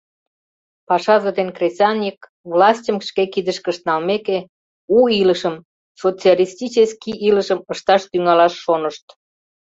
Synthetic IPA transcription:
pɑʃɑʒəd̪enkresʲɑnʲik | vlɑsʲtʲəmʃkekid̪əʃkəʃt̪nɑlmeke | uiləʃəm | sot͡sialʲist̪ʲit͡ɕeskiʔiləʃəməʃt̪ɑʃt̪yŋɑlɑʃːonəʃt̪

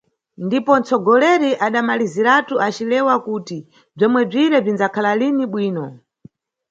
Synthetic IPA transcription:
ndipɔnt͡sɔɡɔlɛɾiʔaɗamaliziɾatuat͡ʃilɛwakuːti | b͡ʐɔmwɛb͡ʐiɾɛb͡ʐinzakʰalaliniɓwiːnɔ

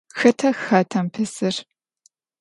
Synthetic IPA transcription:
xɐtʰɐxɐtʰɐmpʰɨsɨr

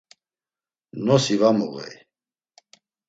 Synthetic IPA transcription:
nɔsivamṵɣɛ̰j

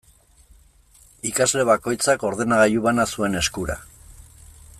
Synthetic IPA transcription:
ikazle̞βako̞jt͡sako̞ɾðe̞naɣajuβanasue̞ne̞skuɾa̰

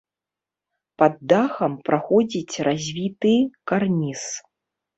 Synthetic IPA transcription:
pad̪ːaxɐmpɾʔaxɔd͡zʲit͡sʲrʔazʲvʲit̪ɨkarnʲis

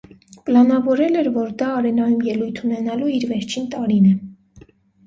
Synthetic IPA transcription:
pəlɑnɑvɔɾɛlɛɾvɔɾd̪ɑːɾɛnɑjumjɛlujt̪ʰunɛnɑluiɾvɛɾt͡ʃʰint̪ɑɾinɛ

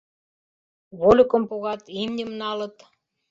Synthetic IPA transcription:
βolʲukɤ̆mpuɣɑt̪imnʲə̆mnɑlɤ̆t̪

